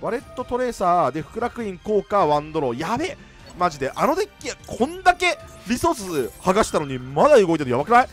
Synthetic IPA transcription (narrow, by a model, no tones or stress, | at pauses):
βaɾe̞t̪ːo̞t̪o̞ɾe̞ːsaːd̪e̞ɸɯ̟̥kɯ̟ɾakɯ̟ĩŋko̞ːkaβãnd̪o̞ɾoːjabe | maʑid̪e̞ʔano̞d̪ekʲːiakʰõ̞nd̪ake̞ | ɾʲiso̞sɨhaɡaɕi̥t̪ano̞ɲ̟imad̪aɯ̟ɡo̞it̪enojaβakɯnai